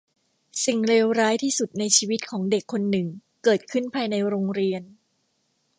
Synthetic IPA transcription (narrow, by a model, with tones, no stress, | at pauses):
si˨˩ŋɾeː˧wɾaː˦˥jt̪ʰiː˥˩su˨˩t̪̚na˧jt͡ɕʰiː˧wi˦˥t̪̚kʰɔː˩˦ŋde˨˩kʰːo˧nːɯ˨˩ŋkɤː˨˩t̪̚kʰɯ˥˩npʰaː˧jna˧jɾoː˧ŋɾi˧ən